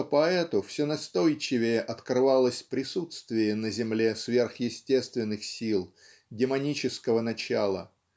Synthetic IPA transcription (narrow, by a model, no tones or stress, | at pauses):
pɐɛt̪ʊfsʲɪnɐst̪o̞jt͡ɕɪvʲɪjəʔɐt̪krɨvalˠəsʲpɾʲɪsut̪st̪vʲɪjənəzʲɪmlʲesvʲe̞rxjɪsʲtʲe̞st̪vʲɪnːɨxsʲilˠ | ɡʲɪmɐnʲit͡ɕɪskəvənɐt͡ɕalˠə̰